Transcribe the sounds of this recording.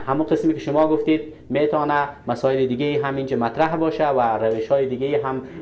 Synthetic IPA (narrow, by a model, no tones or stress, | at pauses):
hamuqɪsmekɪʃʊmɔɡʊft̪ed̪̚ | met̪ɔnamasɔɪlɪd̪ɪɡeiɦamind͡ʒamat̪ɾaɦbɒʃawaɾaweʃhɔjid̪ɪɡeiɦam